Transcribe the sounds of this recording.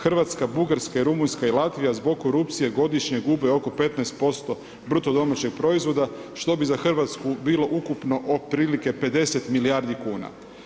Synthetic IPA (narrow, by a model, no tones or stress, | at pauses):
xrʋat̪skabuɡaɾskaiɾumunskailˠat̪ʋijazbo̞ɡkːo̞ɾupt̪sije̞ɡo̞d̪iʃɲe̞ɡubeo̞ko̞pe̞t̪naest̪̚po̞st̪o̞ | bɾut̪o̞d̪o̞mat͡ɕe̞ɡ̥̚pɾo̞izʋo̞d̪aʃt̪o̞bizaxrʋat̪skubiːlo̞ʔukupno̞ʔopɾiːlike̞pe̞d̪e̞se̞t̪milijaɾd̪ikuːna̰